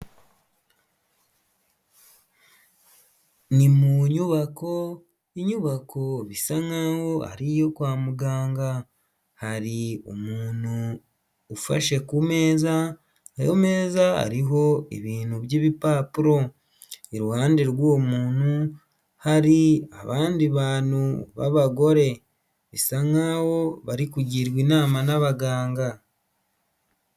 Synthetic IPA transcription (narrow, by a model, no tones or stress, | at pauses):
nimuɲuβako̞ | iɲuβakʰo̞βisaŋaho̞a̰ɾijo̞kwaːmuɡaːŋɡa | haɾiumuːn̥uː | fa̰ʃe̞kumeːzaː | jo̰me̞ːzaa̰ɾiɦo̞iβiːnhuβjiːβipaːpuɾo̞ | eɾuhaːndeɾwoːmuːnhu | haɾia̰βaːndiβaːnuβa̰βaɡo̞ɾe̞ | βisaŋawo̞βaɾikuɟiɾɡwiːnaːmanaβaɡaːŋɡa